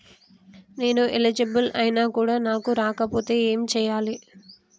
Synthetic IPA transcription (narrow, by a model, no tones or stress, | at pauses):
ne̞ːnuʔelid͡ʒibɐlɐjnaːkuːɽaːnaːkuɾaːkɐpo̞ːt̪e̞ːeːmit͡ʃɛːjaːli